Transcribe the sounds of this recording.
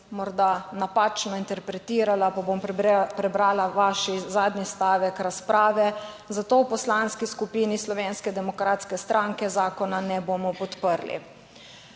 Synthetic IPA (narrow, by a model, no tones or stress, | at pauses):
mɔɾd̪anapat͡ʃnɔint̪ɛɾpɾɛt̪iːɾalapabompɾɛbɾaːlaʋaʃizaːd̪nist̪aːʋɛkɾaspɾaːʋɛ | zat̪oːwpɔslanskiskupiːnislɔʋeːnskɛd̪ɛmɔkɾaːt̪skɛst̪ɾʔaːŋkɛzaːkɔnanɛbomɔpɔt̪pəɾlḭ